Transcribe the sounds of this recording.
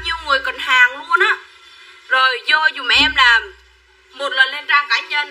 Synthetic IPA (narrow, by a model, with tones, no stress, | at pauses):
a˧wɲi˧əwŋɨ˨˩əjkɔ˨˩nhaː˨˩ŋlu˧ənʔaː˨˦ | zo˨˩jzɔ˧zu˨˩m˨˩ʔɛ˧mlaː˨˩m | mo˨˩t̚lə˨˩nle˧˩nzaː˧˩ŋkaː˨˦ɲə˧n